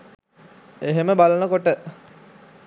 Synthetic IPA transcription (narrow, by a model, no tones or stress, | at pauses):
eɦeməbalənəkoʈə